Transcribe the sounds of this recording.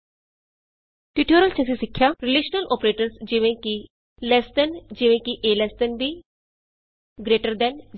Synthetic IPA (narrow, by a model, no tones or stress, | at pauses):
ʈiʈoːɾəlt͡ʃʰəsĩsɪkʰːjaːɾɪleːʃnəlʔɔːpɾeːʈəɾsd͡ʒɪʋẽki | lɛːst̪ənd͡ʒɪʋẽːkiʔeːlɛːst̪ənbiː | ɡɾeːʈəɾd̪ɛːn